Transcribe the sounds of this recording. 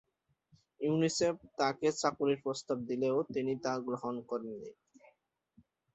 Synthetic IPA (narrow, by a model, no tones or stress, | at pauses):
junisep̚t̪aket͡ɕakuleɾpɾost̪ab̚d̪ileot̪init̪aɡɾoɦonkoɾenːḭ